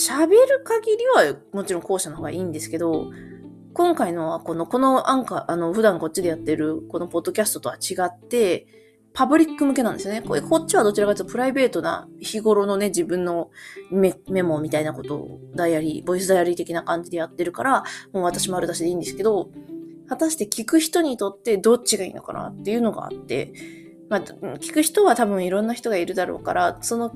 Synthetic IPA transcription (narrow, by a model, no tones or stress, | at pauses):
ɕabe̞ɾɯ̟kaɡʲiɾʲiβamo̞t͡ɕiɾõ̞ŋko̞ːɕano̞hoɡaiːnd̪e̞sɨ̥ke̞d̪o̞ | kõ̞ŋkaino̞βako̞no̞ko̞no̞ãŋkaʔano̞ɸɯ̟d̪ãŋko̞t͡ɕːid̪e̞jat̪ːe̞ɾɯ̟ko̞no̞po̞d̪ːo̞kʲasɨ̥t̪o̞t̪o̞βat͡ɕiɡat̪ːe̞ | pabɯ̟ɾʲikːɯ̟mɯ̟k̬e̞nãnd̪e̞sɨjo̞neko̰ekʰo̞t͡ɕt͡ɕːiβad̪o̞t͡ɕiɾaɡasɨ̥t̪opɯ̟ɾaibe̞ːt̪o̞na̰çiɡo̞ɾo̞no̞ne̞d͡ʑibɯ̟̃nːo̞meme̞mo̞mʲit̪ainako̞t̪o̞̰d̪ajaɾʲḭbo̞is̬ɨd̪ajaɾʲit̪e̞kʲinakãɲ̟d͡ʑid̪e̞jat̪ːe̞ɾɯ̟kaɾamoːβat̪aɕimo̞aɾɯ̟d̪aɕid̪e̞iːnd̪esɨ̥ke̞d̪o̞hat̪aɕi̥t̪e̞kʲikɯ̟çi̥t̪o̞ɲ̟it̪o̞t̪ːe̞d̪ot͡ɕiɡaḭːno̞̰ka̰na̰t̪ːe̞jɯ̟ːno̞ɡa̰a̰t̪ːe̞̰ | makʲi̥kɯ̟çi̥t̪o̞βat̪abɯ̟̃ɰ̃iɾõ̞nːaçʲi̥t̪o̞ɡaiɾɯ̟d̪aɾo̞̰ːka̰ɾaso̞no̞